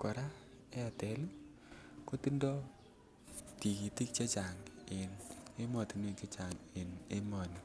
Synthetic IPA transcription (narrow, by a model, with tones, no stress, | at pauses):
kɔ˨ɾa˦ | e˦a˨tɛ˨lu˦ | ko˦ti˦ndɔ˦ | ti˨ki˨ti˦k̚t͡ʃe˦t͡ʃa˨ŋe˨ne˦mɔ˨ti˨˦nwe˦˨t͡ʃe˦t͡ʃa˨ŋe˨ne˦mɔ˨ni˨